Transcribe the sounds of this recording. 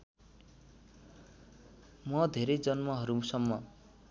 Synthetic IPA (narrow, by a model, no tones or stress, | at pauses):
mʌd̪ʱeɾʌjd͡zʌnmʌɦʌɾusʌmːʌ